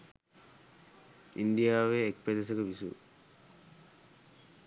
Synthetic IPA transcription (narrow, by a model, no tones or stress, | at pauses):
ḭnd̪ijaːʋeːk̚ped̪es̬ɐkɐʋisṵ